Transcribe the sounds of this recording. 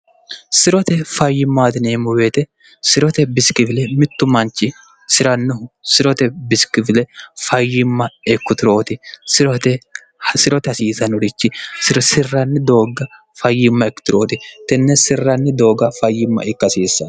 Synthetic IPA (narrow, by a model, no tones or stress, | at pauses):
sɪɾɔt̪ɛfɐjːɪmːaːd̪ɪneːmʊweːt̪ɛ | sɪɾɔt̪ɛbɪskɪvɪlɛmɪt̪ːʊmɐnt͡ʃːɪ | sɪɾɐnːʊɦʊsɪɾɔt̪ɛbɪskɪvɪlɛfɐjːɪmːɐɛkːʊt̪ɪɾo̞ːt̪ɪsɪɾɔt̪ɛ | sɪɾɔt̪ɛɐsiːsɐnʊɾɪt͡ʃːɪsɾsɪrːɐnːɪd̪o̞ːɡɐ | fɐjːɪmːɐɛkːʊ̥t̪ɪɾo̞ːt̪ɪt̪ɛnːɛsɪrːɐnːɪd̪o̞ːɡɐfɐjːɪmːɐ̰ʔɪkːɐsiːsːɐn